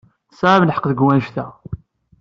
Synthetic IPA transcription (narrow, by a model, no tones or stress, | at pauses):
sʕamnəħə̥qðəɡwænʃθæ